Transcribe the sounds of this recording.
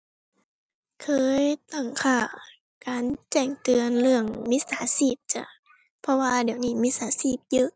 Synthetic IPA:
kʰɤː˧˦jt̪a˧˩ŋkʰaː˧˩ | kaː˨˦nt͡ɕɛː˧˩ŋt̪ɯ˨˧ənlɯ˧˩əŋmi˧˥saː˨˦siː˧˥˩p̚t͡ɕa˧˩˦ | pʰɔ˧waː˧diː˨˩əwniː˧˩miː˧˥saː˨˦siː˧˩p̚jɯ˧˦ʔ

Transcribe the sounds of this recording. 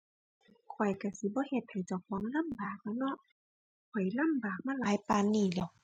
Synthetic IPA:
kʰɔ˨˩jka˧˩si˧˦bɔː˧˦he˧t̪̚ha˨˩jt͡ɕa˨˧˩wkʰɔ˧˦ŋla˧˥˨mbaː˨˩k̚lɛː˧˥˩nɔ˧˨ʔ | kʰɔ˨˩jla˧˥˨mbaː˨˩k̚maː˧˥˨laː˨˦jpaː˧˨nːiː˧˩lɛ˧˩˨w

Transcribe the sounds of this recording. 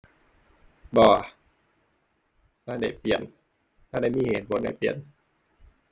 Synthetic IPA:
bɔː˧˩ | maː˧˥˩da˧˩jpi˨˩ən | maː˧˥˩da˧˩˨jmiː˧˥˨heː˨˩˦t̪̚bo˨˦nda̰˧˩jpi˨˩ən

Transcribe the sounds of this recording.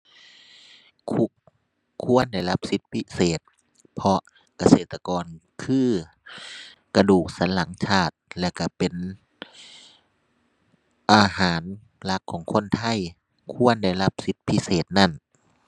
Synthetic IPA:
kʰu˧ | kʰu˧˥˨ənda˧˩˨jla˦˥p̚si˦˥t̪̚pʰi˦˧˥seː˨˩t̪̚ | pʰɔ˧ʔ | ka˧seː˨˩t̪ːa˧kɔː˧nkʰɯː˧˥˩ | ka˧duː˨˩k̚sa˨˦nla˩˦ŋt͡ɕʰaː˧˥˩t̪̚lɛː˧˩wka˧˩pe˨n | ʔaː˧haː˩˦n | la˧˦˥kʰːɔː˩˦ŋkʰo˧˥˨nt̪ʰa˧˥˨j | kʰu˧˥˨ənda˧˩jla˦˥p̚si˧˦˥t̪̚pʰi˦˥seː˨˩t̪̚na˧˥˩n

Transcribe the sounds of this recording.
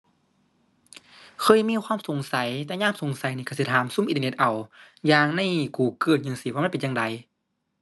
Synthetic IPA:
kʰɤː˧˥˨jmiː˧˥˨kʰwaː˧˥˨mso˨˩˦ŋsa˨˦jt̪ɛː˧ɲaː˧˥˨mso˨˦ŋsa˨˦jniː˧˩ka˧˩˨si˧˩aː˨˦msu˧˥˨mʔt̪ːne˧t̪ʔa˨˩w | jaː˧ŋna˧˥˨jkuː˨˩kɯː˧˩t̪̚ɲɯ˧˨ŋsiː˧˩waː˧˥˨pe˨nɲaː˧ŋda˨˩j

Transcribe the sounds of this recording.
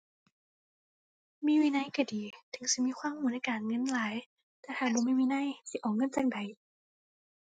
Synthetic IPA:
miː˧˥˨wiː˧˨na˧˥˨jka˧˩diː˨˩t̪ʰɯ˨˦ŋsi˧˦miː˧˥˨kʰwaː˧˥˨mhuː˨˦na˧˨jkaː˨˩nŋɤ˧˥˨nlaː˨˦j | t̪ɛː˧˩t̪ʰaː˧˩luː˧˦ma˧˥˨jmiː˧˥na˧˥˨jsi˧˦ʔɔː˨˩ŋɤ˧˥˨nt͡ɕa˧˩ŋ̚da˨˩j

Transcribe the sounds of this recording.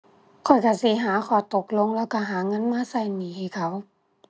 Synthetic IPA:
kʰɔ˨˩jka˧˩si˧˦ɦaː˨˦kʰɔː˧˩˦t̪o˧˦k̚lo˧˨ŋlɛː˧˥˨wka˧˩ɦaː˨˦ŋɤ˧˥˨nmaː˧˥˨sa˧˩˨jniː˨˦hi˧˩˨kʰa˧˩˦w

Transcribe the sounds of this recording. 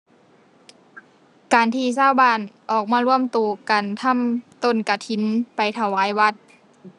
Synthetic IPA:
kaː˨nt̪ʰiː˧saː˧˥˨wbaː˧˩˨nʔɔː˨˩k̚maː˧˨lu˧˥˩əmt̪uː˨˩ka˨nt̪ʰa˧˥˨mt̪o˧˥˨nka˧˩t̪ʰi˧˦npa˨jt̪ʰa˧˩waː˨˧˦jwa˧t̪̚

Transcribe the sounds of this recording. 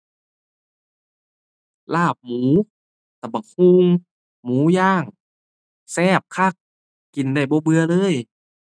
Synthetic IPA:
laː˧˥˩p̚muː˨˦ | t̪ɛː˧˩bɔː˧˩kʰuː˧ŋ | muː˨˦jaː˧˥˩ŋ | sɛː˧˥˩p̚kʰa˧˥˩k̚ː | i˨˩ndaː˧˩jbɔː˧˦bɯ˧ɐlɤː˧˥˨j

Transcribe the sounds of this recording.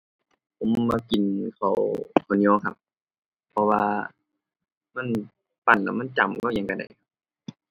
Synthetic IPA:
pʰo˨˦mmaː˧ki˨˩nkʰa˨˩wkʰa˨˩ni˧ɔː˧˥˨ŋkʰa̰˧p̚ʰː | ɔ˧waː˧ | ma˧˥˨n | pa˧˨˩nla̰˧˩ma˧˥˨nt͡ɕa̰˨˩m˨kɔ˧˥˨ja˧ŋka˧˩da̰˨˩jkʰa˧p̚

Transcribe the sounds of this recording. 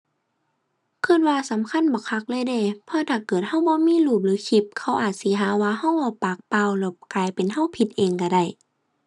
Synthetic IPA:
kʰɯ˧˩˨t̪̚waː˧sa˨˦mkʰa˧˥˨nbɔː˧˦kʰa˧˥˩k̚lɤː˧˥˨jda˧˩˨pʰɔː˧˥t̪ʰaː˨˩kɤː˨˩t̪̚ha˧˥˩wbɔː˧˦miː˧˥˨luː˧˩p̚lɯː˨˦kʰi˧˩p̚kʰa˧˥˩wʔaː˨˩t̪̚si˨˦ɦaː˨˦waː˧ɦa˧˥˨wbɔː˧˦pa˧˩k̚pa˧˨wlɛ˧˩wkaː˨˩jpe˨nɦa˧˥˨wpʰi˧t̪̚ʔeː˨ŋka˧˩da˧˩j

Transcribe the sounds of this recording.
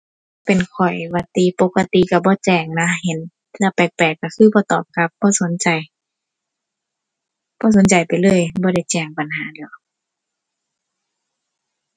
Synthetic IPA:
pe˨nkʰɔ˨˩jwa˧t̪i˧˨po˧˦kːa˧t̪i˧ka˧˩bɔː˧˦t͡ɕɛː˧˩ŋna˧˥ɦe˧˦n | lɛ˧˨pɛː˨˩k̚pɛː˨˩kːa˧˩kʰɯː˧˨bɔː˧˦t̪ɔː˨˩p̚ka˧˦p̚bɔː˧˦so˧˦nt͡ɕa˨j | b̥ɔː˧˦s̬o˨˦nt͡ɕa˨˩jpa˨jlɤː˧˥˨jbɔː˧˦ɾa˧˩jt͡ɕɛː˧˩ŋpa˨nɦaː˨˦diː˧˩˦w

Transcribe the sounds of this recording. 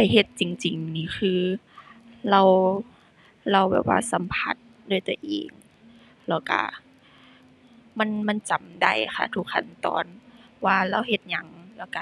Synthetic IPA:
pa˧˨˩jɦe˧˩t̪̚t͡ɕi˨˩ŋt͡ɕi˨˩ŋniː˧˩xʰɯː˧ | la˧w | la˧˩wbɛ̰ː˨˩p̚wa̰ː˧sa˨˦mpʰa˧˦t̪̚ | doː˧˥˨jt̪o˧˦ʔeː˨˩ŋ | la˧˩wka̰˧˩ | ma˧˥˨nma˧˥˨nt͡ɕa˨mda˧˩jxʰa̰˧˩t̪ʰu˧k̚ʰːa˧˩˨nt̪ɔ̰ː˧nwaː˧la˧˨wɦe˧˦t̪̚ɲa˧˦ŋla˧˩wka˧

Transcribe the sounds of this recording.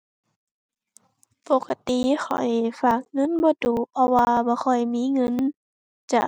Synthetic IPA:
po˨˧˩ka˧˨t̪i˨xɔ̰˨˩jfaː˧˩k̚ŋɤ˧˥˨nbɔː˧˦duː˨˩pʰɔ˧waː˧bɔː˧˦xɔ˨˩jmiː˧˥˨ŋɤ˧˥˨n | t͡ɕa̰˧˩

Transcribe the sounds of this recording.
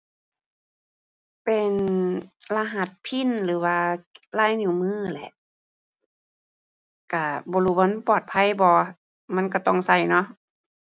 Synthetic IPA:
pe˨n | la˧ɦa˧˩t̪̚pʰi˧˥˨nlɯː˨˦waː˧laː˧˥˨jnu˧˩˦mɯː˧˥˩lɛ̰˧˦ʔ | ka˧˩bɔː˧˦luː˧˩bɔː˧˥˨npɔː˨˩t̪̚pʰa˧˥˨jbɔː˧ | ma˧˥˨nka˧˩t̪ɔ˧˩ŋsa˧˩jnɔ˧˥˨ʔ

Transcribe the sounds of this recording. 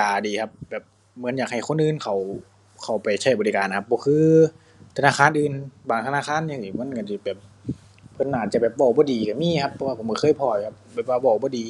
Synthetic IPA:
aː˨˩diː˨kʰa˧˥p̚bɛː˨˩p̚ | mɯ˧˦ə˦njaː˨˩k̚ha˨˩jkʰo˧˥˨nʔɯː˧˨nkʰa˨˩w | kʰa˨˩wpa˨˩jt͡ɕʰa˧˩jbɔː˨li˧kaː˨nːʰ˨a˧˥p̚bɔː˧kʰɯː˧ | t̪ʰa˧naː˧˥˩kʰaː˧˥˨nʔɯː˨˧nbaː˨˩ŋt̪ʰa˧naː˧˥˨kʰaː˧˥˨njaː˧˨ŋiː˧˩m˧˥˨nka˧˩si˧˩bɛː˨˩p̚ | pʰːɤ˧˨nːaː˧˨˩t̪̚t͡ɕa˧˩bɛː˨˩p̚bɔː˧˩bɔː˧˦diː˨ka˧˩miː˧˥˨kʰa˦˥pʰːɔ˧wa˧pʰo˨˦mkɔ˧˩kʰɤː˧˥˨jpʰɔː˧˩jkʰa˧p̚bɛː˨˩p̚waː˧bɔː˧˩bɔː˧˦diː˨

